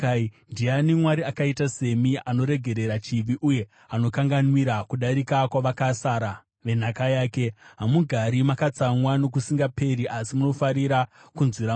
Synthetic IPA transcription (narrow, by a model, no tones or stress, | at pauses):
ndianimwaɾiakaitase̞miano̞ɾe̞ɡʱe̞ɾe̞ɾat͡ʃiʋiʔuje̞ | ano̞kaŋɡanwiɾakuɗaɾikakwaʋakasaːɾa | ʋe̞n̤akajaːke̞ɦamuɡʱaɾimakat͡samwano̞kusiŋɡape̞ɾiʔasimuno̞faɾiɾakunzwiɾa